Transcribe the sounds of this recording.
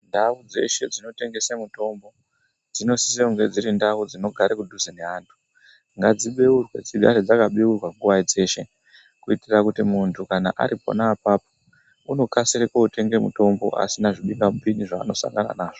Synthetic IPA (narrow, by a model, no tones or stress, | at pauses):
ndaud͡ze̞̰ʃe̞d͡zino̞te̞ŋɡe̞semuto̞mbo̞ | d͡zino̞si̥s̬euŋɡwed͡ziɾindaud͡zino̞ɡʱaɾekudʱuzeneɦaːntʰu̥ | ŋɡad͡ziɓeurwe̞̰d͡ziɡʱaɾed͡zakaɓeurwaŋɡuʋaid͡ze̞ʃe̞ | kuitirakutimuntʰukanaʔa̰ɾipo̰naːpaːp̚o | uno̞kasirekoute̞ŋɡe̞mṵto̞mbo̞̰ʔa̰sinaʐiɓiŋamupiniʐa̰ːno̞sa̰ŋɡana̰naːʐo